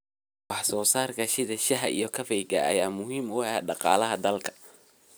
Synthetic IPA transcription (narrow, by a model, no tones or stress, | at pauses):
wɑħsɔːsaːrkʰɐʃɪðɐʃɐɦɐʔḭjɞkʰɐfɛjɡɐ̰ɐ̰jaːmʊɦiːmʊɛːɖɑqɑ̰ːlɐɦɐd̪ɐlkʰɐ̥